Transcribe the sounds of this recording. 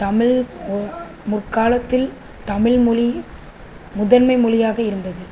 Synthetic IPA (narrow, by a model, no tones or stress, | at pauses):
t̪ɐmɪɭ | mʊrkaːlɐt̪ːɪl | t̪ɐmɪɭmʊɭi | mʊðɐnmɐɪmʊlɪjaːɣɐɪɾɯnd̪ɐðɯ